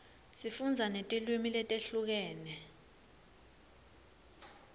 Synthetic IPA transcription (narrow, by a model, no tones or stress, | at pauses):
sifund͡zʱanetʼilwimilɛtʼeɬuk̬ɛːnɛ